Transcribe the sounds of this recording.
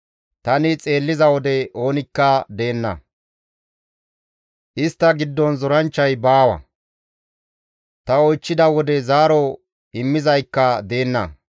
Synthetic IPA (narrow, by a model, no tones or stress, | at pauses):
t̪ɐnɪt͡sʼe̞ːlːɪzɐwɔd̪ɛʔo̞ːnɪkːɐd̪e̞ːnːɐ̰ | ʔɪst̪ːɐɡɪd̪ːɔnzɔɾɐnt͡ʃːɐjbaːwɐ̰ | t̪ɐɔjt͡ʃːɪd̪ɐwɔd̪ɛzaːɾɔ | ɪmːɪzɐjkːɐd̪e̞ːnːɐ̰